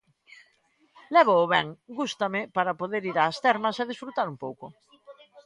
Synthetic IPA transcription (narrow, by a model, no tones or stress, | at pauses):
lɛβ̞oːβɛŋɡust̪amɪpaɾapoðeɾiɾaːst̪ɛɾmɐseðisfɾut̪aɾumpowkʊ